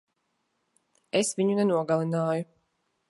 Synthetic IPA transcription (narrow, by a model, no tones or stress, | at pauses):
esvʲiɲunɛnuɔɡalˠinaːju